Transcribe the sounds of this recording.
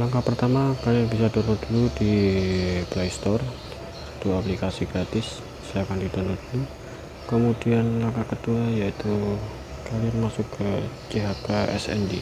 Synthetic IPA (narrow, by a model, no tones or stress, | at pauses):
laŋkapərt̪amakalianbisad̪ɔnɔd̥uludi | plajst̪ɔr | t̪uaplikasiɡ̥ɾat̪ɪs | sajakandid̪ɔnɔdulu | kəmudianlaŋkakət̪uajait̪u | kalianmasʊkːət͡ʃiɦakaɛ̰sɛ̰ndi